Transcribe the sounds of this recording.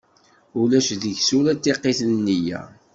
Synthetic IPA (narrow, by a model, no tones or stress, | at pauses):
ulæʃðəʝsuɾæt̪ːeqːeθnnːijæ̰